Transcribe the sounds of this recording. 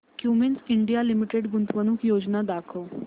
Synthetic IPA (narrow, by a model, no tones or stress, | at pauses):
kjuːmensɪɳɖijaːlɪmɪʈeɖɡʊnt̪ʋənʊ̃kjoːd͡ʒnaːd̪aːkʰoː